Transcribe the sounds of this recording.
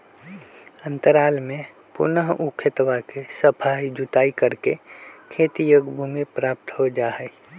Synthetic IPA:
ə̃nt̪əɾaːlmẽ | pʊ̰nəɦukʰɪt̪ʋakesəpʰaːjd͡ʒʊt̪aːikəɾkekʰeːt̪ijokbʱumipɾaːp̚t̪ɦod͡ʒaːɦɛ

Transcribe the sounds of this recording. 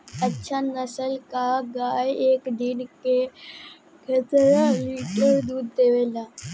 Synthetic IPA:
ɐtːʃʰanəsəlkaɡaːjeːkd̪ɪnke | ɡʰʱɐtəɾãliːʈəɾd̪uːd̪̚t̪eːʋeːlaː

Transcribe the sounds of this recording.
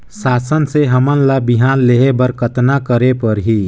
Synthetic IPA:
saːsənseɦəmənlabiɦaːnleɦebəɾkʰət̪nakəɾepəɾɦi

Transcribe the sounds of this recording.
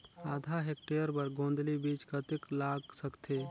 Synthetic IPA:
aːd̪ʱaɦeːk̚ʈeːjəɾpəɾɡõːnd̪libiːt͡ʃkət̪ɪklaːɡsəkt̪ʰeː

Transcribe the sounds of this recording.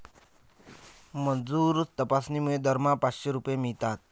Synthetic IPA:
mənd͡zuɾt̪əpasnimued̪ʱəɾmapat͡sɕeɾupəjemiɭt̪at̪̚

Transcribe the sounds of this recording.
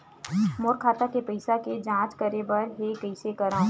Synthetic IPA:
moːɾkʰaːt̪akepɐɪsaked͡ʒãːt͡ʃkɐɾebɐɾɦekəɪsekɐɾãː

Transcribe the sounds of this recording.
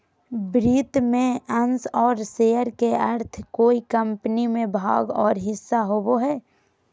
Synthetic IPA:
bɾiːt̪mẽənsɔːɾsejəɾkeəɾt̪ʰkoːikə̃mpnimẽbʱa̰ːɡɔːɾɦɪsːaɦoboɦɛː

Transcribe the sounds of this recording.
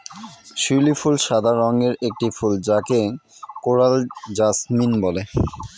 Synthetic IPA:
ʃulifulʃad̪ʱaɾɔŋɡeɾek̚ʈifuld͡ʑakekoɾald͡ʑasminbɔle

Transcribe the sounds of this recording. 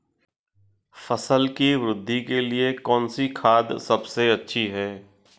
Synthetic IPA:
fɐsəlkiʋɾʊd̪ʱːikeliekɔːnsikʰaːd̪sɐbseɐtːʃʰiɦɛː

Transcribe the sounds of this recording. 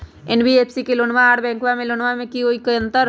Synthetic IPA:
enbieːpʰsikelonʋaaːʈbɛ̃ːŋkʋamẽlonʋamẽkioikəə̃nt̪əɾ

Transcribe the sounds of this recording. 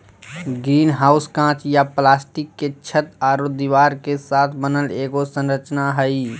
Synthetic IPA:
ɡɾiːnɦaːʊskãːt͡ʃjaplaːsʈikːet͡ʃʰət̪aːɾod̪iʋaːɾkesaːt̪ʰbənəleːɡosə̃nɾət͡ʃnaɦəi

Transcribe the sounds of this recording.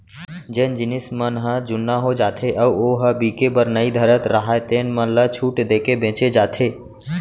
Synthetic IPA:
d͡ʒẽːnd͡ʒɪnɪsmənɦəd͡ʒʊnːaɦod͡ʒaːt̪ʰeʔəuoːɦəbiːkebəɾnəid̪ʱəɾət̪ɾəɦaet̪eːnmənlət͡ʃʰuːʈd̪eːkebẽːt͡ʃed͡ʒaːt̪ʰeː

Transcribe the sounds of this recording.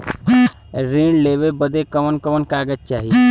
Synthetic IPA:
ɾẽːɳleːʋebəd̪ekəʋənkəʋənkaːɡət̚t͡ʃaːɦie

